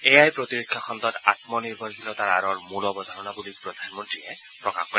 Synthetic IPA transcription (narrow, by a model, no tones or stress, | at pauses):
ejajpɹot̪iɹekʰːakʰɔnd̪ɔt̪a̰t̪mɔniɹbʱɔɹɦilɔt̪aɹa̰ɾɔɹmulɔbɔd̪ʱaɹɔnabulipɹɔd̪ʱanmɔntɹiɛ | pɹɔkaxkɔɹ